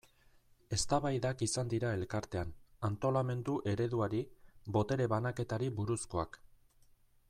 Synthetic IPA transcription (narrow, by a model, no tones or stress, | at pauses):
e̞st̪aβajðakisand̪iɾae̞lkaɾt̪e̞anant̪o̞lame̞nd̪uʔe̞ɾe̞ðuaɾibo̞t̪e̞ɾe̞βanake̞t̪aɾiβuɾusko̞ak